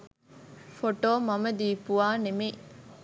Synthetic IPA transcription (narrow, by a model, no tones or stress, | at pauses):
foʈoːmɐməd̪iːpuʋaːneme